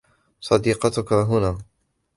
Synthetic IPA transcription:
sˤɑd̪iːqɑt̪ʊkaɦʊnaː

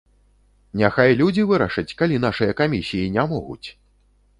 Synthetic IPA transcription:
nʲaxajlʲud͡zʲivɨɾɐʂɐt͡sʲkalʲinaʂɨjɐkamʲisʲijinʲamɔɣṵt͡sʲ

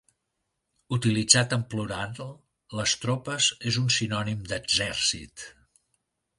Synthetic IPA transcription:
ut̪ilid͡zat̪əmpluɾanl | ləst̪ɾɔpəzezunsinɔnimd̪əɡzɛɾsḭt̪

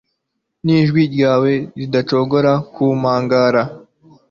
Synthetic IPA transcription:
niːʒɡwiɾɟaːwe̞ɾidat͡ʃo̞ɡoɾakumaːŋɡaːɾa

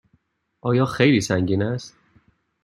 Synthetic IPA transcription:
ʔɒːjɒːxejliːsæŋɟiːnæst̪̚

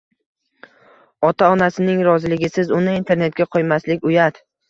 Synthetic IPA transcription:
ɒt̪ʰaɒnasɪnɪŋɾɒzɪlɪɡʲɪsɪzʊnɪint̪ʰe̞ɾne̞t̪̚ɡʲaqʰɒjmaslɪkʲʊjad̪

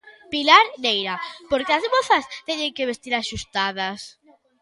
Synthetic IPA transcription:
pilaɾnejɾapoɾkeazmoθast̪ɛɲeŋkeβest̪iɾaʃust̪aðɐs

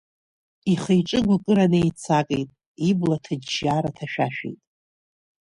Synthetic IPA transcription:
iχejʈ͡ʂʼɨɡʷakʼɨɾanɨjt͡sʰakʼejtʼ | iblatʰad͡ʒʒaːɾatʰaʃᶣaʃᶣḛjtʼ

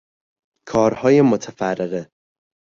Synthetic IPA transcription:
kʰɒːɾhɒːje̞mot̪ʰæfærːeɣe

